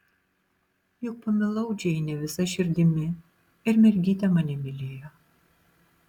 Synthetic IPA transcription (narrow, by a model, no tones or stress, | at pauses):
jʊk̚pɐmʲɪlˠɐʊd͡ʒʲɛjnʲɛʋʲɪsɐʃʲɪɾʲd̪ʲɪmʲɪ | ɪɾmʲɛɾʲɡʲiːt̪ʲɛmɐnʲɛmʲɪlʲeːjɔ